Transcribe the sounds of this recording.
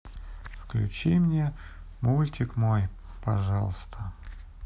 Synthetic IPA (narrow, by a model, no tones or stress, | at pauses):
fklʲʉ̰t͡ɕimnʲe | mulʲtʲɪkmoj | pɐʐɑ̰lˠst̪ʰə